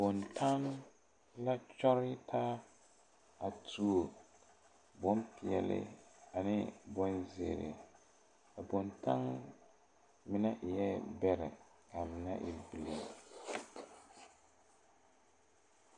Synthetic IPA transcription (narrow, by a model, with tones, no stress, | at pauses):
bɔ˨ntʰa˦n | la˦t͡ʃɔ˦ɾɪ˦tʰaː˦ | a˨tʰu˦o˨ | bɔ˦m˦pi˨ɛ̰˨lɪ̰˦˨a˨nɪ˦bɔ˦nze˨ɾɪ̰˨ | a˨bɔ˨nta̰˦ŋ | mɪ˦na˦ʔjɛ˦bɛ˦ɾɪ̰˨ | ka˨mɪ˨na̰˦ʔɪ˨bi˨li˨